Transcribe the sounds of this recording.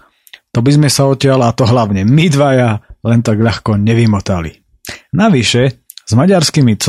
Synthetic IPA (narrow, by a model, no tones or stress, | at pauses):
t̪ɔbizmɛsaɔtɪalat̪ɔɦlaʊɲɛmid̪ʋajalɛnt̪aɡʎaxkɔɲɛʋimɔt̪alḭ | naʋiʃɛ | z̥maɟaɾskimit͡s